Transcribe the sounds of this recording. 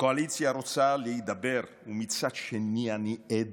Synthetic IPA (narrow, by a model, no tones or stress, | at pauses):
koalit̪sjaɾot̪salijd̪abɛɾ | umit̪sat͡ʃenːianiɛd̪